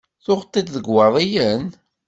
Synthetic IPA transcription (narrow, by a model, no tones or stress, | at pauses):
θʊχt̪ˤːid̪ðəɡwɑðˤijən